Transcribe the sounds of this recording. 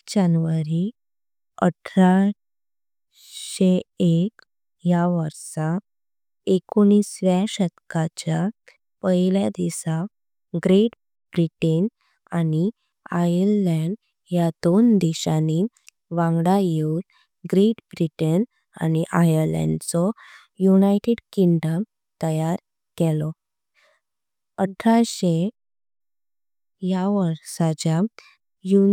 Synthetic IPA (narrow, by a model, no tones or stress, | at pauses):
d͡ʑanʋəɾi | əʈʰɾa | ɕeek | jaʋəɾsa | ekonisʋjaɕət̪kat͡ɕa | pəiljad̪isa | ɡɾeʈ | bɾiʈen | ani | ajəɾlɛɳɖ | jad̪ond̪iɕani | ʋãŋɡɽajeul | ɡɾiʈbɾiʈən | a̰niʔajəɾlɛ̰̃ɳɖt͡sɔ | junajʈeɽkiŋɖəm | t̪əjaɾ | kɛlɔ | əʈʰːaɕe | jaʋəɾsat͡ɕja | ju